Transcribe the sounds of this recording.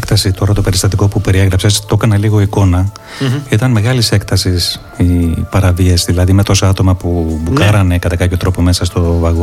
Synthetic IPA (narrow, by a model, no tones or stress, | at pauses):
kt̪ɐsit̪o̞ɾɐt̪o̞pe̞ɾist̪ɐt̪iko̞pupe̞ɾieɣɾɐpse̞st̪o̞kɐneliɣo̞iko̞nɐ | it̪ɐnme̞ɣɐlise̞kt̪ɐsis | ipɐɾɐviɐsðilɐðime̞t̪o̞soɐt̪o̞mɐpubukɐɾɐne̞kɐt̪ɐkɐpço̞t̪ɾo̞po̞me̞sɐst̪o̞vɐɣo